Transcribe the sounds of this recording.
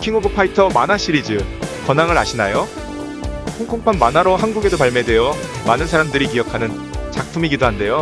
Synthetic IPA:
kʰiŋobɯpʰaitʰʌmanaɕ͈ʰiɾid͡ʑɯkʌnaŋɯɾaɕʰinajo | kʰoŋkʰoŋpʰanmanaɾoɦanɡuɡe̞dopaɭme̞dwe̞jʌ | manɯnsʰaɾamdɯɾikijʌkʰanɯn | t͡ɕak̚pʰumiɡidoɦande̞jo

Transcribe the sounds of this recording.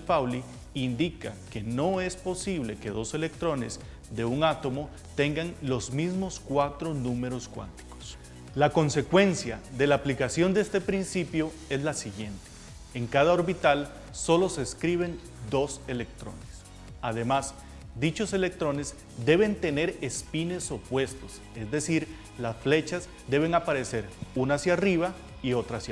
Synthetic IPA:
pawli | ind̪ika̰ke̞no̞e̞spo̞siβle̞ke̞ðo̞se̞le̞k̚t̪ɾo̞ne̞̰z | d̪e̞uŋat̪o̞mo̞ | t̪e̞ŋɡaŋlo̞zmizmo̞skwat̪ɾo̞nume̞ɾo̞skwa̰nt̪i̥ko̥s | lako̞nse̞kwe̞nsjaðe̞laːplikasjo̞nd̪eest̪e̞pɾinsipjo̞ | e̞zlasiɣje̞nt̪e | eŋkaðao̞ɾβit̪al | so̞lo̞se̞skɾiβe̞n | d̪o̞se̞le̞k̚t̪ɾo̞̰nes | að̞e̞maz | d̪it͡ʃo̞se̞le̞k̚t̪ɾo̞ne̞z | d̪e̞βe̞nt̪e̞ne̞ɾespine̞sopwe̞st̪o̞s | e̞zd̪e̞siɾ | lasfle̞t͡ʃaz | d̪e̞β̞e̞ŋapaɾese̞ɾunasjariβa | io̞t̪ɾasj

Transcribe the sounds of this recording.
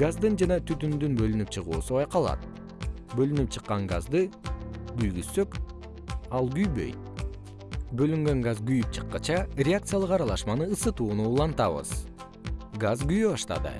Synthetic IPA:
ɡ̥azd̪ɯnd͡ʒɑnɑt̪ʰyt̪ynd̪ynbø̞lynypt͡ʃʰɯʁṵːsuβɑjqɑlˠɑ̰t̪̚ | bø̞lynyp̚t͡ʃʰɯqːɑŋɡa̰zd̪ɯɡyjɡysːø̞k | ɑlˠɡyjbø̞̰jt̪ | bø̞lyŋɡøŋɡazɡyjyp̚t͡ʃʰɯ̥qːɑt͡ʃɑɾʲeak̚t̪sɨjalˠɯqɑɾɑlˠɑʃmɑnɯːsɯt̪uːnuːlˠɑnt̪ɑβɯ̰z̥ | ɡazɡyjyβɑʃt̪ɑ̰d̪ɯ̰

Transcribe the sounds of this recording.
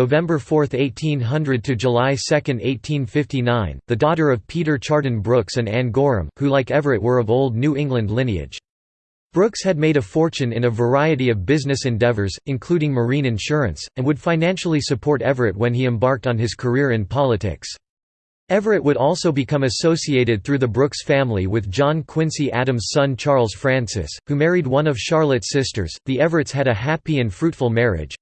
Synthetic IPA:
noʊvɛ̃mbə˞fɔɹθeɪtʰĩnɦʌ̃ndɹɨd̚tʰɨd͡ʒəlaɪsɛkɨ̃ndeɪtʰĩnfɪftinãɪ̃nðɨdɔɾə˞ʌv̥pʰiɾə˞t͡ʃʰɑɹɾn̩bɹʊksɨ̃næ̃nɡɔɹɨ̰̃mhulaɪkɛvə˞ɨʔ̚wə˞ʌvoʊlˠdⁿnʉɪ̃ŋɡlɨ̃ndˡlɪ̃niɨ̰d̥ʒ̥ | b̥ɹʊkshɨd̚meɪɾɨfɔɹt͡ʃɨ̃nɨ̃nɨvə˞aɪɨɾiʌvbɪznɨsɨ̃ndɛvə˞zɨ̃nkʰl̥ʉɾɪ̃ŋmə˞ĩnɨ̃nʃʊɹɨ̰̃nsɨ̃nwɨd̥fãɪ̃næ̃nʃl̩ˠisɨpʰɔɹɾɛvə˞ɨt̚wɨ̃niɨ̃mbɑɹk̚tn̩ɨz̥kʰə˞ɪɹɨ̃npʰɑlˠətʰɪ̰ks | ɛvə˞ɨʔ̚wəɾɔlˠsoʊbɨkʰʌ̃mɨsoʊsieɪɾɨd̪̚θɹʉðɨbɹʊksfæ̃mliwɨðd͡ʒɑ̃nkʰw̥ɪ̃nsiʔæɾɨ̃mz̥sʌ̃nt͡ʃʰɑɹlˠz̥fɹæ̃nsɪ̰shumɛɹid̚wʌ̃nʌv̥ʃɑɹlˠɨtsɪstə̰˞z̥ðiɛvə˞ɨtsɨɾɨɦæpiɨ̃nfɹʉtfl̩ˠmɛɹɪ̰d̥ʒ̥

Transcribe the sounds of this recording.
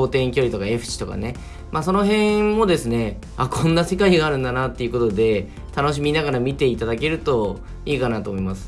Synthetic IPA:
oːt̪ẽ̞ŋkʲo̞ɾʲit̪o̞kae̞ɸɯ̟̥ɕi̥t̪oka̰ne̞ | maːso̞no̞ɦẽ̞mo̞d̪e̞sɨne̞ | akʰõ̞nːase̞kaiɡaːɾɯ̟̃nd̪anat̪ːe̞iɯ̟ko̞t̪o̞d̪e̞ | t̪ano̞ɕ̬imʲinaɡaɾamʲit̪e̞it̪ad̪ake̞ɾɯ̟t̪o̞ | iːkanat̪o̞ːmo̞imasɨ̥

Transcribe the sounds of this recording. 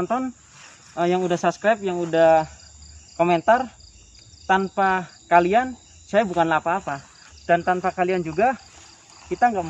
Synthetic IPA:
ɔnt̪ɔn | əjaŋudahsapskɾajp̚jaŋudah | koment̪ar | t̪anpakalian | sajabukanlapaːpa | d̥ant̪anpakaliand͡ʒuɡa | kit̪aŋɡaʔm

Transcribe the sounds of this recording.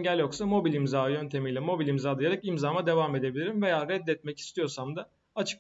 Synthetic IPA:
ɲɟælʲjo̞ksamo̞bilʲimzaːjø̞nt̪ʰe̞mijlʲɛmo̞bilʲimzaːlˠɯjaɾakimzaːmad̪e̞vame̞d̪e̞bilʲiɾimve̞jaːɾɛd̪ːɛt̪̚mɛci̥st̪ʰijo̞ɾsamd̪a | at͡ʃʰɯ̥k

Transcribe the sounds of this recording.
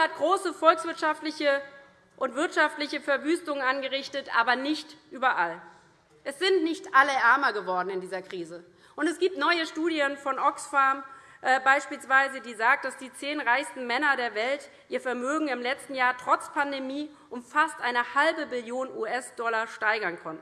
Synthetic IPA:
hat̚ɡ̥ʁoːsəfɔlksv̥ɪɐtʃaftlɪçə | ʔʊntv̥ɪɐtʃaftlɪçəfɛɐvyːstʊŋənʔanɡəʁɪçtətʔa̰ːbɐnɪçtʔyːbɐʔal | ʔɛsz̥ɪntnɪçtʔaləʔɛɐmɐɡəvɔɐdn̩ɪndiːzɐkʁ̥iːzə | ʔʊntɛsɡ̥iːp̚tnɔʏəʃtuːdjənfɔnʔɔksfaɐmʔɛbaɪʃpiːlsv̥aɪzədiːzaːk̚td̥asd̥iːt͡seːnʁaɪçstn̩mɛnɐɾeːɐvɛlt | ʔiːɐfɛɐmøːɡŋ̩ɪmlɛt͡stn̩jaːɐtʁ̥ɔt͡spʰandemiː | ʔʊmfastʔaɪnəhalbəbɪljoːnʔuːʔɛsd̥ɔlaʃtaɪɡɐnkʰɔntn̩

